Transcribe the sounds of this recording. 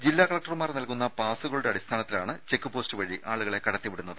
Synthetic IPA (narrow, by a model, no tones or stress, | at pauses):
d͡ʑilːaːkɐɭɐk̚ʈɐrmaːrnɐlkunːɐpaːsuɣɐɭuɽeɐɽist̪ʰaːnɐt̪ːilaːɳɨt͡ɕe̞kːupo̞ːstɨʋɐɻiʔaːɭuɣɐɭe̞kɐɽɐt̪ːiʋiɽunːɐðɨ